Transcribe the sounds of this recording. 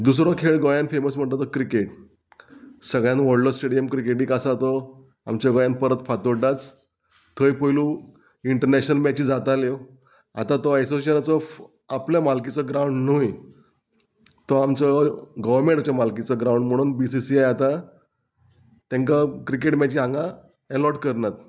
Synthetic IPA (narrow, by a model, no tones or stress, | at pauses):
d̪us̬ɾɔkʰeɭɡɔjanfeməsm̤əɳt̪at̪ɔkɾikeʈ | səɡɭjãnʋəɽlɔsʈeɽijəmkɾikeʈĩkasat̪ɔ | amt͡ɕjaɡɔjanpəɾət̪fat̪oɖat͡s | t̪ʰːəjpəlũ | iɳʈəɾnæɕnəlmɛt͡ɕid͡zat̪ale | a̰t̪at̪ɔesoseənat͡sɔf | apljamalkit͡sɔɡɾauɳɖnuj | t̪ɔamt͡sɔɡəʋəɾmẽɳʈat͡ɕjamalkit͡sɔɡɾawɳɖm̤əɽ̃uːnbisisiajat̪a | t̪ẽŋkakɾikeʈmɛt͡ɕiɦãŋɡa | ɛlɔʈkəɾnat̪